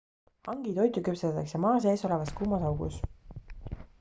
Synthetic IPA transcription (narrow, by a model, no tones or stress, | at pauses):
hɑŋɡ̥it̪o̞jt̪ukypset̪ɑt̪ˑɑksemɑːs̬e̞ːso̞le̞vɑskuːmɑsɑwɡ̥ṵs